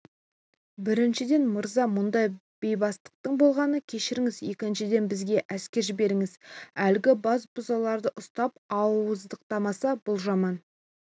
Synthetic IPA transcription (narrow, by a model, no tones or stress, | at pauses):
bɪɾɪnʃɪd̪e̞nməɾzɑmʊnd̪ɑj | b̥e̞jbɑst̪ə̥q̚t̪əɴbo̞lˠʁɑnəkʲʰe̞ʃɪɾɪŋɪzje̞kʲɪnʃɪd̪e̞nbɪzɡʲe̞ʔæskʲe̞ɾʒbe̞ɾɪŋɪzælɡʲɪbɑsbʊzɑlˠɑɾd̪əʔʊst̪ɑp̚ɑwəzd̪əq̚t̪ɑmɑsɑbʊlˠʒɑmɑn